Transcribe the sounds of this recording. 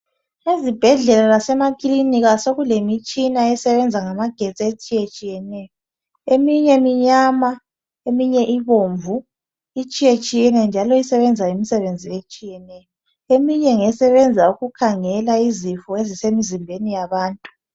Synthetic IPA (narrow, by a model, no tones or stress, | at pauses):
ezib̥ʱɛɮɛlalasɛmakʼiliniɣasoɣulemit͡ʃʼinaɛsɛβɛnd͡zʱaŋamaɡ̥ʱet͡sʼet͡ʃʼijet͡ʃʼijɛnɛjɔ | emiɲɛmiɲaːma | emiɲɛʔiβoɱvu | it͡ʃʼijet͡ʃʼijɛnɛnd͡ʒʱalɔisɛβɛnd͡zʱaemisɛβend͡zʱiet͡ʃʼijɛnɛːj | emiɲɛŋɛsɛβɛnd͡zʱauɣukʰaŋɛlaizifɔezisemizimbʱenijaβaːntʼu̥